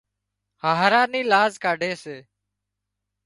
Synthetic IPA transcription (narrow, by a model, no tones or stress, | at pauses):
haːɦɾaːniːlaːzkaːɖʱeːseː